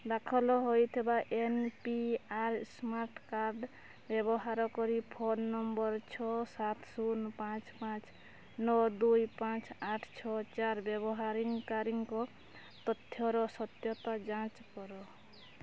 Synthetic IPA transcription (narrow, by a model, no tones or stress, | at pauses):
d̪akʰɔlɔɦojt̪ʰebaʔenpiaɾsmaɾʈkaɾɖ | bjebɔɦaɾɔkɔɾipʰonːʌmbʌɾt͡ʃʰɔsat̪ʰsunpãt͡spãt͡s | nɔd̪ujpãt͡saʈʰt͡ʃʰɔt͡ʃaɾbjeβɔɦaɾiŋkaɾiŋko | t̪ʌt̪ʰjɔɾɔsʌt̪jɔt̪ad͡ʒãt͡ʃkɔɾɔ